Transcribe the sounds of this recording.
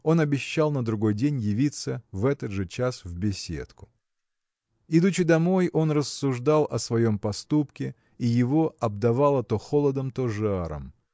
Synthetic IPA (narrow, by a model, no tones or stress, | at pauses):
o̞nɐbʲɪɕːalˠnəd̪ɾʊɡo̞jdʲenʲjɪvʲit̪səvɛt̪əd̪ʐɨt͡ɕasvbʲɪsʲḛt̪kʊ̥ | ɪd̪ut͡ɕɪd̪ɐmo̞jo̞nrəsːʊʐd̪alˠʔɐsvɐjo̞mpɐst̪upkʲɪ | ɪjɪvo̞ɐb̚d̪ɐvalˠət̪o̞xo̞lˠəd̪əmt̪oʐɨaɾə̰m